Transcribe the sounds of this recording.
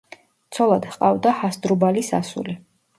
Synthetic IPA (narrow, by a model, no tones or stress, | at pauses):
t̪sʰɔlˠad̪hqʼavd̪ahasd̪ɾubalisa̰sṵli